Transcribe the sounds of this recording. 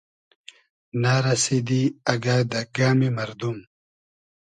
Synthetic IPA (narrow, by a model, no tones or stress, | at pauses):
naːɾɐsid̪iɐɡaːd̪ɐɡaːmimɐɾd̪um